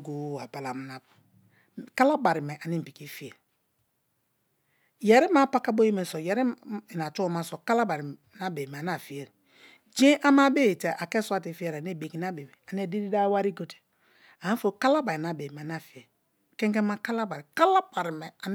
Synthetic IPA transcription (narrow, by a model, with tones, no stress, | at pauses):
ɡo˨˦˨a˨ba˨la˨m˨na˨b | ka˦la˦ba˨ɾi˨mɛ˨ʔa˨ni˦m̩˨bi˨ki˦fi˦e˨ | jɛ˨ɾi˦ma˦pa˦ka˦bo˦je˦me˨sɔ˨jɛ˨ɾi˦˨n˨a˨tu˦ma˦sɔ˨ka˦la˦ba˨ɾi˨na˦be˨m˨a˨n˦a˦˨fi˨e˨ɾ | d͡ʒe˦ʔa˦ma˦be˦e˨te˨ʔa˨kɛ˦su˦a˦ti˨˦fi˦e˨ɾa˨ne˦˨be˨ki˨n˦a˦be˨be˨a˨n˦ɛ˨di˦di˦da˦wa˦ɾi˦ɡo˦te̥˨ | a˨a˦fo˦ka˦la˦ba˨ɾi˨na˨be˨ma˨n˦a˨fi˨e˨ | kɛ˦ŋkɛ˦ma˦ka˦la˦ba˨ɾi˨ka˦la˦ba˨ɾi˨mɛ˨a˨n˦